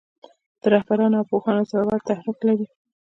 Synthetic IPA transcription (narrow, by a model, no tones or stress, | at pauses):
d̪̥əɾahbaɾɑnawpoxɑnosaɾawɑɾt̪ahɾiqlaɾi